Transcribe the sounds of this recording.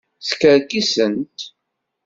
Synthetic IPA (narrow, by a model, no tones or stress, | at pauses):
θkəɾkisənt̪